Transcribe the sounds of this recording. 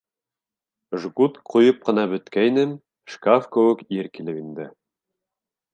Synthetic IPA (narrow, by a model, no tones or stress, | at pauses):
ʒɡut̪qujɤp̚qɤ̆nɑbɵ̆t̪kæjnɘm | ʃkafkɘ̆wɘ̆kiɾkilɘpind̪ɘ